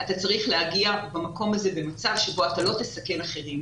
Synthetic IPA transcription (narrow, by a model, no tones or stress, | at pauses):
at̪at͡saʁiχlehaɡiabamako̞maze̞be̞mat͡savʃe̞bo̞atalo̞t̪esake̞laχe̞ʁim